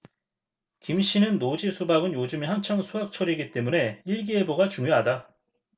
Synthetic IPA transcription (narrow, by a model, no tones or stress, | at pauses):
kimɕ͈inɯnːod͡ʑisʰubaɡɯnjod͡ʑɯmihaŋt͡ɕʰaŋsʰuɦak̚t͡ɕʰʌɾiɡit͈e̞mune̞iɭɡie̞boɡat͡ɕuŋjoɦada